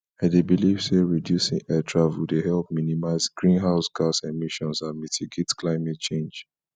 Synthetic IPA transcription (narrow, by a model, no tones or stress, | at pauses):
ãdebilivseɹidjusḭ̃ŋɛtʰɹavudehɛlp̚minimaɪzɡɹĩnɦaʊsɡasemiʃɔ̃nsãnmitʰiɡetklaɪmɛt̚t͡ʃẽnd͡ʒ